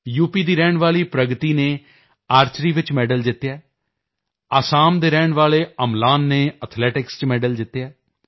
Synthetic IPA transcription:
juːpiːd̪iːɾɛːɳʋaːliːpɾəɡt̪iːneː | aːɾt͡ʃɾiːʋɪt͡ʃmɛːɖəld̪ɪt̪ːjaː | aːsaːmd̪eːɾɛːɳʋaːleːəmlaːnːeːət̪ʰlɛːʈɪkst͡ʃmɛːɖəld̪ɪt̪ːjaː

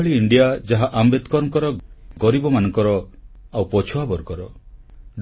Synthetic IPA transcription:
ɭiːɳɖijad͡ʒaɦaʔambet̪kɔɾɔŋkɔɾɔɡɔɾibɔmanɔŋkɔɾɔawpɔt͡ʃʰuabɔɾɡɔɾɔɖ

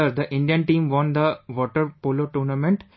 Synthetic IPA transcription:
əɾd̪əʔɪ̃ɳɖijə̃nʈĩːmʋɔ̃ːnd̪əʋɔːʈəɾpoːloːʈuːnɐmẽɳʈ

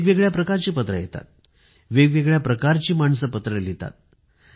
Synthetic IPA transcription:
ɡʋeɡɭjapɾəkaɾt͡ɕiːpət̪ɾə̰jet̪a̰t̪̚ | ʋeɡʋeɡɭjapɾəkaɾt͡ɕiːmaɳsəpət̪ɾəlit̪a̰t̪̚

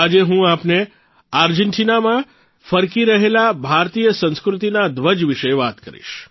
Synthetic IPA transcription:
ad͡ʒeɦũapne | aɾd͡ʒeɳʈinamã | fəɾkiɾəɦelabʱaɾt̪ijəsə̃nskɾʊt̪inad̪ʋəd͡ʒʋiʃeʋat̪kəɾḭʃ

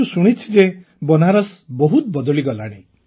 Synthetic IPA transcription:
usuɽ̃it͡ʃʰi̥d͡ʒe | bɔnaɾɔsbɔɦut̪bɔd̪ɔɭiɡɔlaɽ̃e

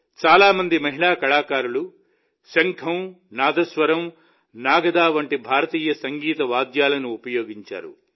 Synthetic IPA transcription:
t͡ʃaːlaːmɐnd̪imɐɦiɭaːkɐɭaːkaːɾulu | ʃɐŋkʰɐm | naːd̪ɐsʋɐɾɐm | naːɡɐd̪aːʋɐɳʈibʱaːɾɐt̪iːjɐsɐŋɡiːt̪ɐʋaːd̪jaːlɐnuːpɐjoːɡiɲt͡ʃa̰ːɾṵ

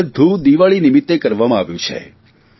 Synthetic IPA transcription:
d̪ʱud̪iʋaɭinimit̪ːekəɾʋamãaʋjũt͡ʃʰḛ

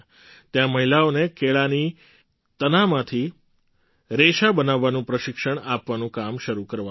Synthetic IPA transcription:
t̪jãməɦilaonekeɭani | t̪ənamãt̪ʰi | ɾeʃabənaʋːanũpɾəʃɪkʃəɳ̃apʋanũkamʃəɾukəɾʋa

